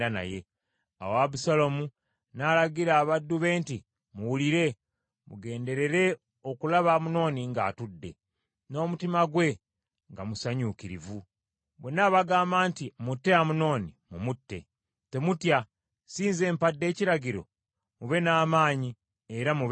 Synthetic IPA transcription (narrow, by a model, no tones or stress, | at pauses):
ana̰je̞ | a̰waβusalomu | naːlaɡiɾaːβadːuβe̞ːnti | muwuliɾe̞ | mṵɡe̞ːnde̞ɾe̞ɾe̞ | okulaβamuno̞ːniŋɡa̰ːtudːe̞̰ | no̞ːmutimaɡwe̞ | ŋɡamusaɲukiɾḭvu | bwe̞naːβaɡaːmbaːntimutːe̞amuno̞ːnimumutːe̞̰ | te̞mutja | siːnze̞ːmpadːe̞ːciɾaɟiɾo̞̰ | muβe̞naːmaːɲi | e̞ɾamuβ